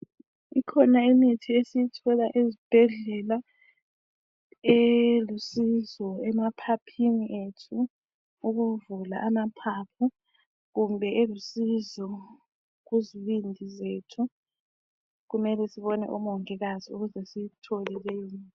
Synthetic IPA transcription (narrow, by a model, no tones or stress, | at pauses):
ikʰɔnaimitʰiesijitʰɔlaʔezib̥ʱɛɮɛla | elusizɔɛmapʰapʰiniʔetʰu | uɣuvula̰ʔamapʰapʰu | ɣumbʱɛʔelusizɔ | ɣuziβindʱizeːtʰu | ɣumɛlɛsiβɔnɛ̰ʔumɔŋɛɣaziuɣuzɛsitʰɔlɛlejiːn